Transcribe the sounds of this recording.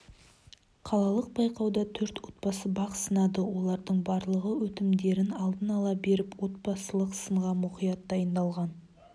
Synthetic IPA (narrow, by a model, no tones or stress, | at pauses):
qʰɑlˠɑlˠəq̚b̥ɑjqɑwd̪ɑt̪ʰɵɾt̪wo̞t̪̚pɑsəbɑqsənɑd̪əwo̞lˠɑɾd̪əɴbɑɾlˠəʁəwɵt̪ɪmd̪e̞ɾɪnɑlˠd̪ənɑlˠɑbe̞ɾɪpwo̞t̪̚pɑsəlˠəqsəɴʁɑmʊqijɑt̪̚d̪ɑjənd̪ɑlˠʁɑn